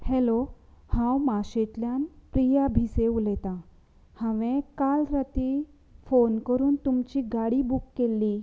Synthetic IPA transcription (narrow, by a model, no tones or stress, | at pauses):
helohãwmaɕet̪ljanpɾijabʱiseulɛt̪a | hãʋẽkalɾət̪i | fonkəɾuːnt̪umt͡ɕiːɡaɽibukːelːi